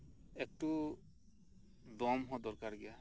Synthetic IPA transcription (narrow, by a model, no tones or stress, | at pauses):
ek̚ʈu | d̪ɔmɦɔd̪ɔɾkaɾɡɛja